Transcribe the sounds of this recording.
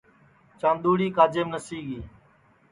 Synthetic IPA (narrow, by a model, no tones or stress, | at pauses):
t͡ʃãːnd̪uːɽiːkaːd͡ʒeːmnəsiːɠiː